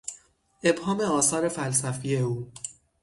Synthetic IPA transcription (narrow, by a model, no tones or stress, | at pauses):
ʔe̞bhɒːmeɒːsɒːɾe̞fæls̬æfiːje̞uː